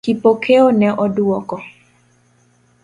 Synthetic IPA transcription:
kipokʰeonɛʔɔduɔkɔ

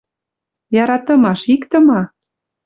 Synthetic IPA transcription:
jɑɾɑt̪ə̆mɑʃikt̪ə̆mɑ

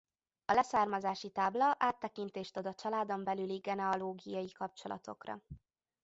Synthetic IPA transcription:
ɒlɛsaːrmɒzaːʃit̪aːblɒʔaːt̪ːɛkint̪eːʃt̪od̪ɒt͡ʃɒlaːd̪o̞mbɛlyliɡɛnɛɒloːɡijɒjikɒp̚t͡ʃo̞lɒ̰t̪o̞̰krɒ̰

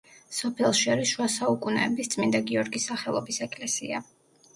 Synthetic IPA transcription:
sɔpʰɛlˠʃiaɾisʃuasaukʼunɛ̰ːbist̪sʼmind̪aɡiɔɾɡisːaχɛlˠɔbisɛkʼlɛsḭa

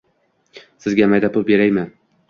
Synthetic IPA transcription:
sɪzɡʲamajd̪apʰʊlˠbeɾajma

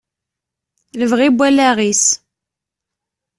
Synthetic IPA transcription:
ləvʁibʷːælæʁis

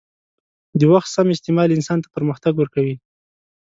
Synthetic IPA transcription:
d̪əwaxt̪samɪst̪ɪmɑlɪnsɑnt̪ḁpəɾməxt̪aɡwəɾkawi

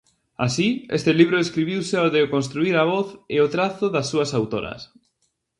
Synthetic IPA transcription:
a̰siḛst̪ɪliβ̞ɾʊeskɾiβ̞iwsɪoðɪokonst̪ɾuiɾaβɔθeot̪ɾaθʊðasːuɐsawt̪oɾɐ̰s

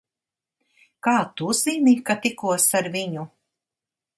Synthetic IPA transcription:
kaːt̪uz̥inikat̪ikuɔsaɾviɲu

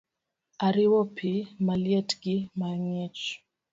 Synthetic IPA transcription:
aɾiwɔpʰimalijɛtɡimaɲɛt͡ʃ

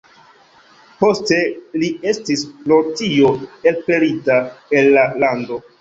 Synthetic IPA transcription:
po̞ste̞lie̞stislotio̞e̞lpe̞ɾitae̞lːalando̞

